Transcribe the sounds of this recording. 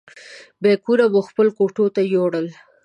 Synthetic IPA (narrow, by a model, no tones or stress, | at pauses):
bekuɾamoxpəlkoʈot̪ajoɽəl